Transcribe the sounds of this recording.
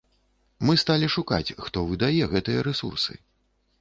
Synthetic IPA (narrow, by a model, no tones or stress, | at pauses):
mɨst̪alʲiʂuka̰t͡sʲxt̪ɔvɨd̪ajɛɣɛt̪ɨjɐɾɛsṵrsɨ̰